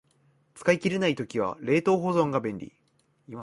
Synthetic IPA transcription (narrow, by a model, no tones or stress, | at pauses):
t͡sɨ̥kaikʲiɾenait̪o̞kʲiβ̞a̰ɾe̞ːt̪o̞ːɦo̞zõ̞ŋɡabẽ̞nɾʲḭ